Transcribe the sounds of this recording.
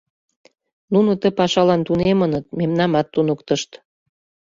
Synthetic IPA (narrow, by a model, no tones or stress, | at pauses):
nunŏt̪əpɑʃɑlɑnt̪unemənət̪̚memnɑmɑt̪ːunəkt̪əʃt̪